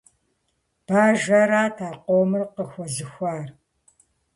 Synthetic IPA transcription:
b̥aːʒɐɾaːtʰaːqoːmɨrqəxʷɔzɨxʷaːr

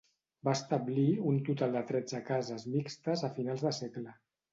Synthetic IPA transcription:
bast̪əbliunt̪ut̪alˠd̪ət̪ɾɛd͡zəkazəzmikst̪əzəfinalˠzðəsɛklə

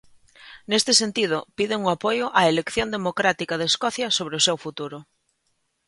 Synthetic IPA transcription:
nest̪esent̪ið̞ʊpiðeŋuapojʊʔaelekθjond̪emokɾat̪ikað̞eskɔθjɐsoβ̞ɾeosewfut̪uɾʊ

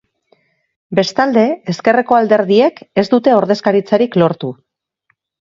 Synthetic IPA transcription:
be̞st̪ald̪e̞eske̞re̞ko̞ald̪e̞ɾðie̞ke̞zd̪ut̪e̞o̞ɾðe̞skaɾit͡saɾiklo̞ɾt̪u

